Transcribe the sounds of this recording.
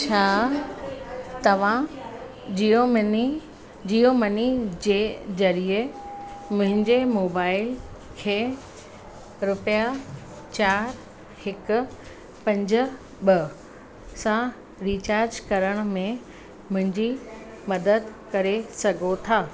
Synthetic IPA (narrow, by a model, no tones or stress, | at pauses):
t͡ɕʰaː | t̪ɐʋ̤ã | d͡ʑio | d͡ʑijomɐnid͡ʑeːzɐɾie | mʊ̃ɦɪ̃ɲd͡ʑemoːbaːɪl | kʰeː | ɾʊpja | t͡ɕaːɾ | hɪkʊ̆ | pɐ̃ɲd͡ʑʊ̆ | ɓɐ | sã | ɾiːt͡ɕaːɾd͡ʑkɐɾəɽ̃ʊmẽ | mʊ̃ɦɪ̃ɲd͡ʑi | mɐd̪əd̪kɐɾesɐɡʱot̪ʰaː